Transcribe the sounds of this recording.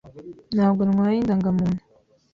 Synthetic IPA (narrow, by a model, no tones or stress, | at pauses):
naːβɡonŋwaːjindaŋɡamuːnu̥